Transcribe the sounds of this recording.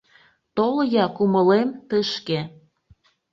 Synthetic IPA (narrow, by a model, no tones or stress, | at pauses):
t̪oljɑkuməlemt̪əʃke